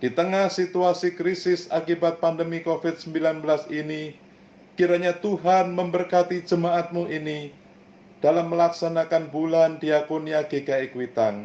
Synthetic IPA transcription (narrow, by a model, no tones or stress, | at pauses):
d̥it̪əŋahsit̪uasikɾisɪsakibat̪̚pandəmikofɪt̪̚səmbilanbəlasini | kiɾaɲat̪uɦanməmbərkat̪id͡ʒəmaʔat̪̚muʔini | d̥alamːəlaksanakanbulandiakoniaɡeɡaikwit̪aŋ